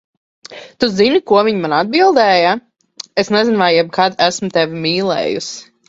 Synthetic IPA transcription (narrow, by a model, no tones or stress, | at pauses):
t̪uzinikuɔviɲmanad̪̚bilˠd̪ɛːja | esnɛzinvajjɛb̚kʰad̪æsmʊt̪ɛvimiːlˠɛ̰ːjṵs